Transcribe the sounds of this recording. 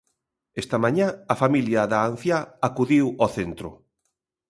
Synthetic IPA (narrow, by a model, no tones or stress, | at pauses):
est̪ɐmãɲãafamiljɐðaːn̟θjaakuðiwoθent̪ɾʊ̰